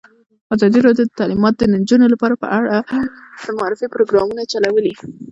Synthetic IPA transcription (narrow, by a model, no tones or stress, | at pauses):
ɑzɑd̪iɾɑd̪jod̪ət̪alimɑt̪od̪ənand͡ʒunolapɑɾapə̰ʔaɽad̪̥əmʊɑɾɪfipɾoɡɾɑmunat͡ʃalawəli